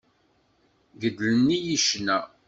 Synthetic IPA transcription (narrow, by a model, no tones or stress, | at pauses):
ɡəd̪lənːijiʃnæ